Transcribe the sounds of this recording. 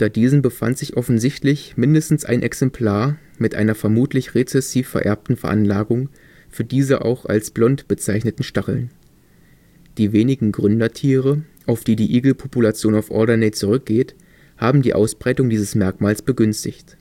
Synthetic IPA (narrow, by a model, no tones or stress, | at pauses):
ntɐdiːzn̩bəfa̰ntz̥ɪçʔɔfn̩zɪçtlɪçmɪndəstn̩sʔa̰ɪnʔɛksɛmpʰl̥aːɐ | mɪtʔa̰ɪnɐfɛɐmuːtʰlɪçʁet͡sɛsiːfɛɐʔɛ̰ɐp̚tn̩fɛɐʔanlaːɡʊŋ | fyːɐdiːzəʔa̰ʊxa̰lsb̥lɔntb̥ət͡saɪçnətn̩ʃtaχl̩n | d̥iːveːnɪɡŋ̩ɡʁʏndɐtʰiːʁəʔaʊfd̥iːdiːʔiːɡl̩pʰopulat͡sjoːnaʊfʔɔ̰ɐdɐneɪt͡suʁʏk̚ɡ̥eːt | haːbm̩diːʔa̰ʊsb̥ʁaɪtʊŋdiːzəsmɛɐkmaːlsb̥əɡʏnstɪçt